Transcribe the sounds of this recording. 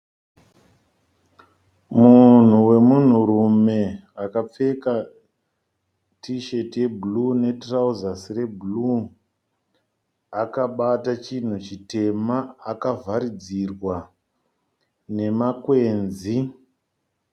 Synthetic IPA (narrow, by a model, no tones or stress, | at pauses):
mun̤uwe̞mun̤uɾume̞akap͡fe̞ka | tiʃe̞tije̞bʱulune̞trauzasire̞bʱulu | akaɓatat͡ʃin̤ut͡ʃite̞maːkavʱaɾid͡zirwa | ne̞makwe̞ːnzi